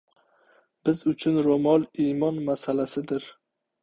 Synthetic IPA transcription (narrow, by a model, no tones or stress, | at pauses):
b̥ɪzʊt͡ʃʰʊnɾomɒlˠimɒnmasalasɪd̪ɪɾ